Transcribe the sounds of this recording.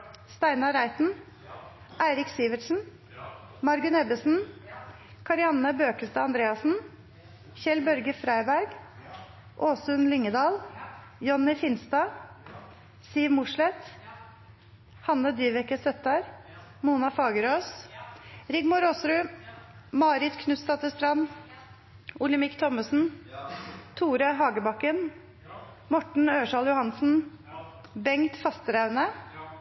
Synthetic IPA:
st̪æɪnɑɾæɪt̪n̩ | ʔæɪɾɪksiːʋəʈsn̩ | mɑɾɡʉnɛbəsn̩ | kʰɑɾɪɑnəbøːkəst̪əɑnd̪ɾeːɑsn̩ | çɛlbœɾɡəfɾæɪbæɾɡ | ʔoːsʉnlɪŋːəd̪ɑːl | jɔnːɪfɪnst̪ɑ | siːʋmʊʂlɛt̪ | hɑnːəd̪iːʋɛkəsœt̪ɑɾ | muːnɑfɑːɡəɾoːs | ɾɪɡmʊɾɔsɾʉ | mɑːɾɪt̪kʰnʉst̪ɑt̪əst̪ɾɑn | ʊlɪmɪkt̪ʰɔməsn̩ | t̪ʰuːɾəɦɑːɡəbɑkːən | mɔʈɳ̩øːʂɑːljʊhɑnsn̩ | bɛŋt̪fɑst̪əɾæʉnə

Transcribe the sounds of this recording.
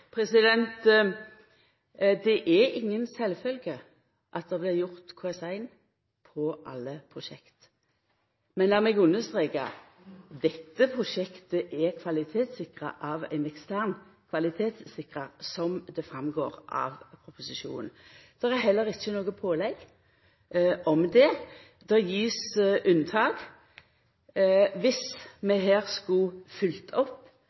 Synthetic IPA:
pʰɾɛsɪd̪ɛnt̪ | d̪ɛʔɛɾɪŋːənsɛlfœlɡə | ʔɑt̪̚d̪ɛblɪɾjʊʁt̪kʰoɛsæɪn | pʰɔʔɑ̰lːəpʰʁʊʃɛkt̪ | mɛnlæːʁmɛɡʉnːəst̪ʁeːɡɑ̰ | d̪ɛt̪ːəpʰʁʊʂɛkt̪əʔɛkʰʋɑlɪt̪ʰeːt̪sɪkʁə̰ʔɑʋæ̰ɪnɛkst̪ʰæʁnkʰʋɑlɪt̪ʰeːt̪sːɪkʁəɾsɔmd̪ɛfɾɑmɡoːɾʔɑ̰ːʋpʰɾʊpʊsɪʃṵːnn̩d̪̥ɛɾɛɦɛlːəɾɪçːənoːɡəpʰoːlɛɡ | ʔɔmd̪ɛ | d̪̥ɛjiːsʔʉnt̪ʰɑːɡ̥ | ʋɪsmɛɦæːʁskʊfʏlt̪ʰɔpː

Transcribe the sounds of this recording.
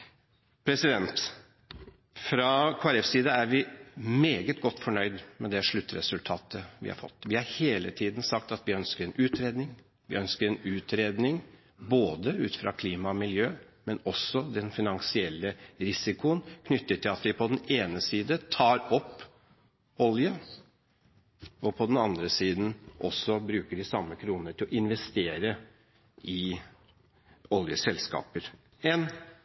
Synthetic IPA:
pʰɾɛsɪd̪ɛnt̪ | fɾɑkʰoːæɾɛfsiːd̪ɑæɾʋɪmeːɡət̪ɡɔt̪ːfɔɳœʏd̪mɛd̪ɛʂɭʉt̪ːɾɛ̰sʉlt̪ʰɑːt̪ʰəʋɪ̰hɑ̰ɾfɔ̰t̪ːʋɪhɑɾheːlət̪ʰiːd̪n̩sɑk̚t̪ɑt̪ʋɪœnskəɾɛnʉːt̪ɾeːd̪nɪŋ | ʋɪ̰œnskəɾɛnʉːt̪ɾeːd̪nɪŋ | boːd̪əʉːt̪fɾɑ̰kʰliːmɑmɪljøː | mɛnɔsɔd̪ɛnfɪnɑŋsɪɛlːəɾɪsɪkʊənkʰnʏt̪ːətʈ̪ʰɪlɑt̪ʋɪpʰɔd̪neːnəsiːd̪ət̪ʰɑːɾɔpː | ɔljə | ɔpʰɔd̪ɛnɑnd̪ɾəsiːd̪n̩ʔɔsːɔbɾʉːkəɖɪsɑmːəkʰɾuːnnəʈʰɪlɔʔɪnʋɛst̪eːɾə | ʔɪ | ɔljəsɛlskɑ̰ːpəɾ | ɛn

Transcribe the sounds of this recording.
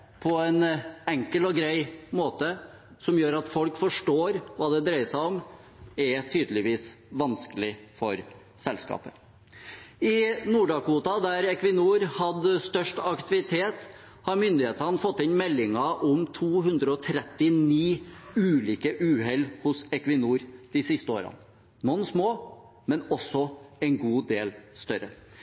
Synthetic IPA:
pʰɔɛnɛŋkəlɔɡɾæɪmoːt̪ə | sɔmjøːɾɑt̪fɔlkfɔʂʈoːɾʋɑːd̪ɛd̪ɾæɪəsæɪɔm | ɛt̪ʰyːd̪lɪʋiːs | ʋɑnskəlɪfɔɾ | sɛlskɑ̰ːpə | ɪnuːɖɑːkuːt̪ɑd̪æɾɛkʰʋɪnuːɾhɑd̪st̪œʂʈɑkt̪ɪʋɪt̪ʰeːt̪ | hɑɾmʏnd̪ɪheːt̪ɾɑnfɔt̪ːɪnmɛlːɪŋɑʔɔmt̪ʰuːhʉnd̪ɾəɔt̪ʰɾɛt̪ːɪniːʉːliːkəʔʉːɦɛlhʊsɛkʋɪnuːɾd̪̥ɪsɪst̪əoːɾɑ̰nː | ɔnsmoː | mɛnɔsɔɛnɡuːd̪eːlst̪œɾə

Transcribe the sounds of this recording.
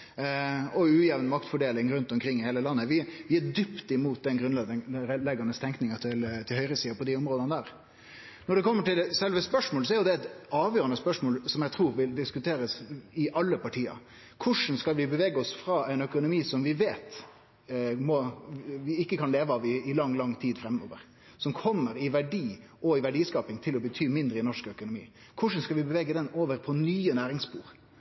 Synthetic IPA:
ɔʉːjɛːʋənmɑkt̪fɔɖeːlɪŋɾʉnt̪ɔmkʰɾɪŋːɪheːləlɑnːəʋɪʋɪæd̪ʏpt̪ɪmuːt̪̚d̪ɛnɡɾʉnɛɾɛlɛɡɑnəst̪ʰɛŋknɪŋət̪ʰɪlt̪ʰɪlhœʏɾəsiːəpʰɔd̪ɪɔmɾoːd̪ənəd̪æːɾ | nɔɖɛkʰɔmːəʈɪlsɛlʋəspœʂmoːlsɔæɾjʊd̪ɛɛt̪ɑːʋjøːɾənəspœʂmoːlsɔmjæt̪ʰɾuːɾʋɪld̪ɪskʉt̪ʰeːɾəsɪʔɑlːəpɑʈʰiːə̰ | kʰʊʂn̩skɑlʋɪbəʋeːɡəɔsfɾɑːæɪnœkʊnʊmiːsɔmʋɪʋeːt̪ | mɔʋɪɪkːəkʰɑnleːʋəɑʋɪɪlɑŋːlɑŋːt̪ʰiːd̪fɾɛmːo̰ːʋə̰ʁ | sɔmkʰɔmːəɾɪʋæɖiː | ɔɪʋæɖiːskɑːpɪŋt̪ʰɪlɔbət̪ʰyːmɪnd̪ɾəɪnɔʂkœkʊnʊmḭː | kʰʊʂ̬n̩skɑlʋɪbəʋɛːɡəd̪ɛnoːʋəɾpʰɔnyːənæːɾɪŋspṵːɾ

